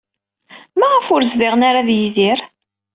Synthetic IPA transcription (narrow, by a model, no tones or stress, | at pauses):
mæʁəfʊɾzvɪʁnaɾaðjiziɾ